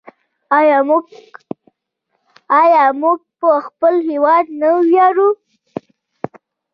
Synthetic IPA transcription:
ɑjɑ | ɑjɑmuɡ̚pəxpəlhewɑd̪nawjɑɾu

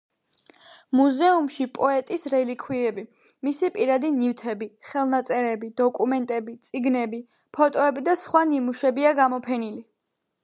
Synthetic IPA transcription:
muzɛumʃipʼɔɛt̪ʼisɾɛlikʰwiɛbi | misipʼiɾad̪inift̪ʰɛbiχɛlˠnat̪sʼɛɾɛbid̪ɔkʼumɛnt̪ʼɛbit̪sʼiɡnɛbi | pʰɔt̪ʼɔɛbid̪asχwanimuʃɛbiaɡamɔpʰɛnili

